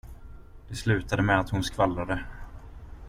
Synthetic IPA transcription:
d̪̥ɛslʉ̟ːt̪ad̪əmɛat̪hʊnskvalːad̪ə

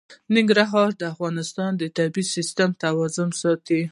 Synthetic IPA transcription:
nɪŋɡɾaɦɑɾd̪əafɣɑnɪst̪ɑnd̪ət̪abisist̪amt̪awɑzʊmsɑt̪i

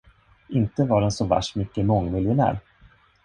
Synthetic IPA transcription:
ɪnt̪əvɑɖɛnsɔvæ̰ʂmʏkːəmɔŋːmɪljənæ̰ːɾ

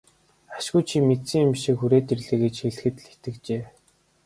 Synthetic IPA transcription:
ḁʃɡujt͡ɕʰimet̪sĭŋumʃiːkxuɾeːt̪irɮɘ̆ːɣet͡ɕxeɮɘ̆xɘ̆t̪ɮit̪ɘ̆k̚t͡ɕeː

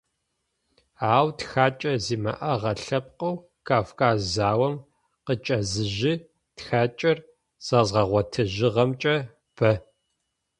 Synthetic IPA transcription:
aːwtxaːt͡ʃʼɐziːmɐ̰ʔɐʁɐɬɐp̚ʼqɐw | kʰaːfkaːzzaːwɐm | qət͡ʃʼɐzɨʒɪ | txaːt͡ʃʼɐr | z̥ɐzʁɐʁʷɔtʰɨʒɪʁɐmt͡ʃʼɐ | b̥ɐ

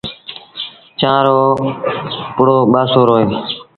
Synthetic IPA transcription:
t͡ʃãːɾoː | pʊɽoːɓaːsoːɾoːeː

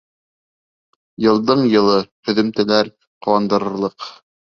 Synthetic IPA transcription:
jɤ̆lˠd̪ɤɴjɤ̆lˠɤhɵ̆ðɵ̆mt̪ɘ̆læɾ | qŏwɑnd̪ɤ̆ɾɤ̆ɾlˠɤq

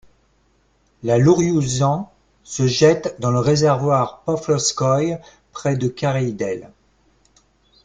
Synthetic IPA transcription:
laluʁjuzɑ̃ | səʒɛt̪d̪ɑ̃ləʁezɛʁvwaʁpɔflɔskɔj | pχɛd̪əkʲaʁejd̪ɛl

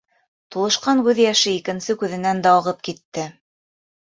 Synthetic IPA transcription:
t̪ulˠɤ̆ʃqɑŋkʉðjæʃɘikɘ̆nsɘkʉðɘ̆nænd̪æɑʁɤp̚kit̪ːɘ

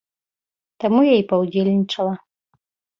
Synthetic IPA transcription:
t̪amujajipɐwd͡zʲelʲnʲit͡ʂɐlˠɐ

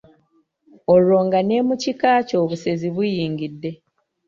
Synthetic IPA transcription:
olo̞ːŋɡane̞ːmucikaːco̞ːβuse̞ziβujiːŋɡidːe̞

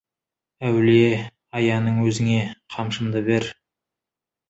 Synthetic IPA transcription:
æwle | ɑjɑnəɴwɵzɪŋe̞qʰɑmʃəmd̪əbe̞ɾ

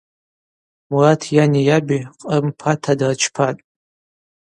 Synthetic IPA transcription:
muratʰjanijabiqʼəmpʰatʰadart͡ʃʰpʰatʼ

